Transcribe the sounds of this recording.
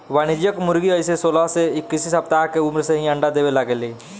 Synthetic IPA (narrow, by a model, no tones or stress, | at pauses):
ʋaːnɪd͡ʒjəkmʊɾɡiəɪsesoːlaɦseɪkːɪsisɐpt̪aːkeʊmɾseɦĩɐ̃ɳɖad̪eːʋelaɡeleː